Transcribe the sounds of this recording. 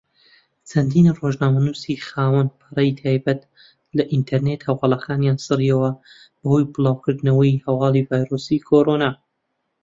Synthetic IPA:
t͡sʰɐnd̪iːnroʒnaːmɐnuːsixaːwɐnpʰɨrɐjt̪ʰaːjbɐt̪ | lɐʔint̪ʰɐɾnet̪hɐwɑːlˠɐkaːnjaːnsɨrijɐwɐ | b̥ɐhojbɨlˠaːwkɨɾd̪nɐwɐjhɐwɑːlˠivaːjɾosikʰoɾonaː

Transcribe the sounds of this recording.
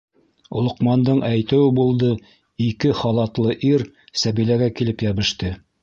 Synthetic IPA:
ŏlˠŏqmɑnd̪ɤɴʔæjt̪ɘ̆wɘbulˠd̪ɤ | ikɘχɑlˠɑt̪lˠɤʔiɾ | sæβilæɡækilɘpjæβɘ̆ʃt̪ɘ

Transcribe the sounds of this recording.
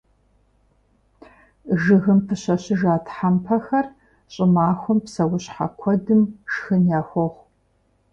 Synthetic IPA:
ʒɨɣɨmpʰɨɕɐɕɪʒaːtʰħampʰɐxɐr | ɕʼɪmaːxʷʊmpsɐwʊɕħa̰kʷʰɔdɨmʂxɨnjaːxʷɔʁʷ

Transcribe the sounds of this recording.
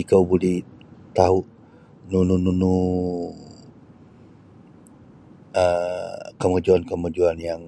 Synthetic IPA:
ikawbulɛht̪aɦuʔ | nunununu | əkəmad͡ʒuankəmad͡ʒuanjaŋ

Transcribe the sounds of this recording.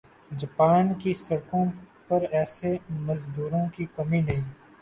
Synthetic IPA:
d͡ʒɐpaːnkisɐɾkõpɐɾɛːsemɐzd̪uːɾõkikɐminɐɦĩː

